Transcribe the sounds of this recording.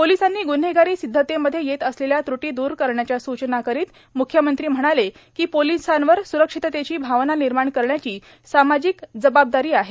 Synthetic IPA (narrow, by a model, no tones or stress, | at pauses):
polisanːiːɡunɦeɡaɾiːsid̪ʱːət̪eməd̪ʱːjejet̪əsleljat̪ɾuʈiːd̪uːɾkəɾɳjat͡ɕjasut͡ɕnakəɾiːt̪ | mukʰjəmənt̪ɾiːm̤əɽ̃ale | kiːpolisanʋəɾsuɾəkʂit̪t̪et͡ɕiːbʱaʋnaniɾmaɳkəɾɳjat͡ɕiː | samad͡ʑikd͡zəbab̚d̪aɾiːaɦe